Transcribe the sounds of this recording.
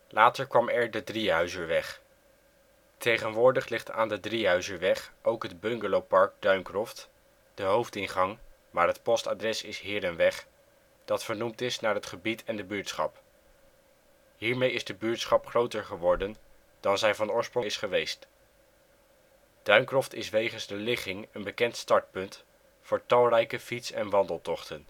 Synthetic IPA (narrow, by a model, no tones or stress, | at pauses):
lʔaːtəɹkʋɑmɛɹdədriɦœɥzəɹʋɛχ | tʰejχənʋʊːɹdəχlɪχta̰ːndədriɦœɥzəɹʋɛχʔowkɦədbɵŋɡəlowpɑɹɡ̚dœɥmkrɔft | d̥əɦowftɪnχɑŋ | maːɹɦətpɔsta̰drɛsɪsɦɪːɾənʋɛχ | d̥ɑtfəɹnumtɪsnaːɹɦətχəbitʰɛndəbyːɹtsχɑ̰p | ɦiːɹmejɪzdəbyːɹtsχɑpχrowtəɹχəʋɔɹdən | d̥ɑnzɛjvɑnʊːɹsproɪsχəʋejst | d̥œɥŋkrɔftɪsʋejχənzdəlɪχɪŋənbəkɛntstɑɹt̚pɵnt | fʊːɹtɑlˠrɛjkəfitsɛnʋɑndəlˠtɔχtən